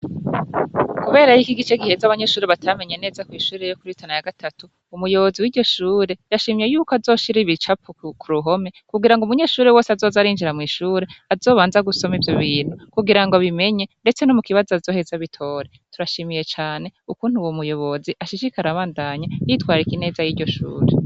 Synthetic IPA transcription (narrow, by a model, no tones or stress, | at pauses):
kuβe̞ːɾajikiɡit͡ʃeɡihe̞zaβaɲe̞ʃuːɾeβatʰame̞ɲe̞ne̞ːzakwiːʃuːɾe̞jokuɾitʰanajaɡatʰatuːmujo̞βo̞ziwiɟo̞ʃuːɾe̞jaʃimije̞juːkoazo̞ːʃiɾiβit͡ʃapukʰuɾuɦo̞me̞kuɡiɾaŋɡumuɲe̞ːʃuːɾewo̞ːseazo̞ːzaɾiːnd͡ʒiɾamŋiːʃuːɾe̞azoːβaːnzaɡuso̞mivjo̞βiːn̥hukuɡiɾaŋɡo̞βime̞ɲe̞nde̞t͡se̞nomukiβazoazo̞he̞zaβitʰo̞ːɾe | tuɾaʃimije̞t͡ʃaːne̞ukuːn̥huwomujo̞βo̞ziʔaʃiʃikaɾaβaːndaɲajitwaːɾikine̞ːzajiːɾɟo̞ʃṵːɾe